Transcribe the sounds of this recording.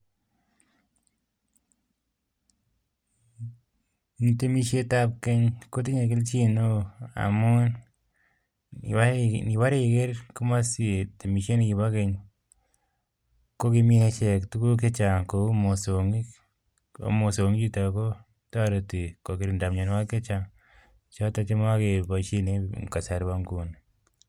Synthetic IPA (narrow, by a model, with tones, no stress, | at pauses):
nite˦mi˦ʃe˦ta˦p̚ke˦ɲko˦t̬i˦ɲe˨k̬ɪ˦lt͡ʃi˦no˦a̰˨mo˦n | ani˨wa˦ɾe˦ke˦ɾku˦ma˦si˦˨te˨mi˨ʃe˦ni˨ki˨ba˦ke˨ɲ | ko˦ki˧mi˦he˧t͡ʃe˨ktu˦ku˦k̬e˦t͡ʃa˨ko˨˦mo˨so˨ŋi˦ | o̰˦mo˨so˨ŋi˦t͡ʃi˦ta˨ko˦ | ta˦ɾo˨ti˨ko˨ki˨ɾi˨nda˨mɲo˨n˦wa˦ke˦t͡ʃa˨ŋ | t͡ʃɔ˦ta˧t͡ʃe˦m˦a˦ke˨ba˨t͡ʃi˦ne˦ka˨sa˨ɾba˧mku˦n